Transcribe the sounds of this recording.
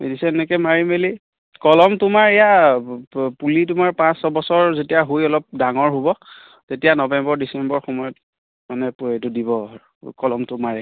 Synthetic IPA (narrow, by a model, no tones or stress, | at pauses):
ḛdisɛnɛkɛmaɹimeli | kɔlɔmtʊmaɹɛja | pulit̬ʊmaɹpãsɔbɔsɔɹzetijaɦojɔlɔp̚daŋɔɹɦobɔ | tetijanɔbɛmbɔɹdisɛmbɔɹxɔmɔjɔt̚ | manɛpuetʊdibɔ | kɔlɔmtʊmaɹɛ